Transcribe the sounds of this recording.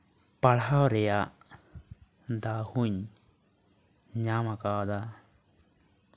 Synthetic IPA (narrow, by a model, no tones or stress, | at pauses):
paɽawɾɛjaʔ | d̪ahuɲ | ɲamakad̪a